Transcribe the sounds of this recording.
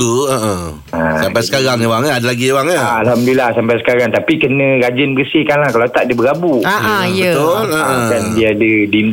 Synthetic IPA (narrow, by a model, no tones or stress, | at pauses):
uəʔə̃ | asampajssə̥kaɾaŋewaŋadalaɡiewaŋaalɦamdiilahsampajsə̥kaɾaŋt̪apikənə̃ɾad͡ʒənbərsɪhkanlahkalawt̪aʔdibəɾabuaʔãjət̪ʊləə̃kandiaːdədin